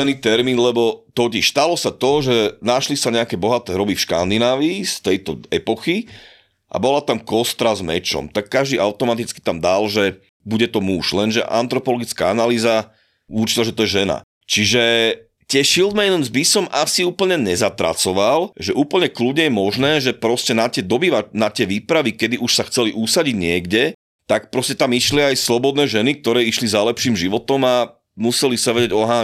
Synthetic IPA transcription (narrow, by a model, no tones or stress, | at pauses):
niːt̪ɛɾmiːnlɛbɔt̪ɔciʃst̪alɔsat̪ɔʒɛnaʃlisaɲɛakɛbɔɦat̪ɛːɾɔbifʃka̰nd̪inaːʋiːst̪ɛjt̪ɔɛpɔxi | ʔa̰bɔlat̪amkɔst̪ɾazmɛ̰t͡ʃɔ̰mt̪akːaʒd̪iaʊt̪ɔmat̪it͡ski̥t̪amd̪alʒɛ | buɟɛt̪ɔmuʃlɛnʒɛ̰ʔa̰nt̪ɾɔpɔlɔɡit͡skaanaliːza | uɾt͡ʃi̥nɛʒɛt̪ɔjɛʒɛna̰ | t͡ʃiʒɛ | t̪ɪɛʃilˠd̪mɛnmzbisɔmʔasiuːpl̩ɲɛɲɛzat̪ɾa̰t͡sɔʋalʒɛʔuːpl̩ɲɛkludɲɛjɛmɔʒnɛːʒɛpɾɔscɛnat̪ɪɛd̪ɔbiːʋanat̪ɪɛʋiːpɾaʋikɛd̪iʔuʃsaxt͡sɛliʔusaɟiɟɲɪɛɡɟɛ | t̪ak̚pɾɔscɛt̪amiʃliajslɔbɔd̪nɛːʒɛnik̚t̪ɔɾɛːiʃlizalɛpʃiːmʒiʋɔt̪ɔma | musɛlisaʋɛɟɛɟɔɦaː